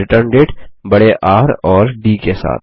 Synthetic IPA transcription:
ɪʈəɾnɖeːʈbɐɽeʔaːɾɔːɾɖiːkesa̰ːt̪̚ʰ

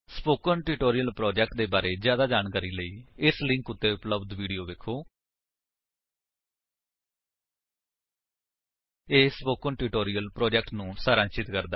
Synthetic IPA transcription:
spoːkənʈɪːʈoːɾijəlpɾoːd͡ʒɛk̚ʈ̚d̪eːbaːɾeːd͡ʒjaːd̪aːd͡ʒaːnkaːɾiːləiːɪslɪ̃ŋkʊt̪ːeːʊpləbd̪ʋiːɖijoːʋeːkʰoː | eːspoːkənʈɪːʈoːɾiːjəlpɾoːd͡ʒɛk̚ʈnũːsaːɾə̃nt͡ʃɪt̪kəɾd̪aː

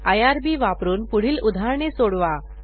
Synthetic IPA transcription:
ajaɾbiʋapɾuːnpuɽ̤iːlud̪ʱaɾɳesoɽʋa

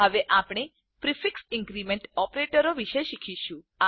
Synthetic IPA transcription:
ɦəʋeʔapɳ̃e | pɾifɪksɪ̃ŋɡɾimẽɳʈɔpɾeʈəɾoʋiʃeʃikʰiʃũ | a

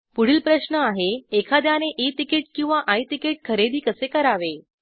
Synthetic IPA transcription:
puɽ̤iːlpɾəɕnəaɦeːkʰad̪janeʔet̪ikiʈ̚kĩw̃ʋaʔajt̪ikeʈ̚kʰəɾed̪iːkəsekəɾaʋe

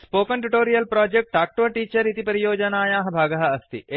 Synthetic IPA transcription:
spoːkɐɳʈuʈoːɾijɐlpɾaːd͡ʒek̚ʈaːk̚ʈoʋɐʈiːt͡ʃɐɾit̪ipɐɾijoːd͡ʒɐnaːjaːɦɐbʱaːɡɐɦɐɐst̪ḭ

